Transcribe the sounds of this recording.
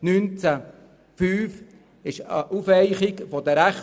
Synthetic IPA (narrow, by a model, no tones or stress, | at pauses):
nynt͡sæ | fyːf | ɪʃə̰ʔufɛɪχɪkfod̪əɾæχ